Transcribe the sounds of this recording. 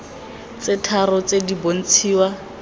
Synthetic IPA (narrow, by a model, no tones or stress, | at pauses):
t͡sɪtʰarɔt͡sedibon̩t͡sʰiːwa